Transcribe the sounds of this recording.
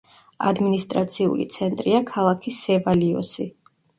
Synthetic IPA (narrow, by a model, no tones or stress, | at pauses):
a̰d̪minist̪ʼɾat̪sʰiṵlḭt̪sʰɛnt̪ʼɾiakʰalˠakʰisɛbaliɔ̰si